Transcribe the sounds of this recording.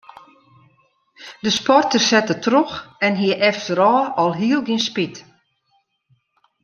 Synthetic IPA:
dəspɔrtərsɛtətroxɛnɦiəʔɛftəɾɔːɔlˠɦiəlˠɡinspit

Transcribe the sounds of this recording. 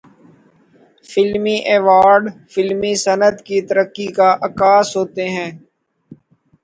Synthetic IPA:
fɪlmiʔɛːʋaːɾɖfɪlmisənəd̪kit̪əɾəkːikaʔɐkaːsɦoːt̪eɦɛ̃ː

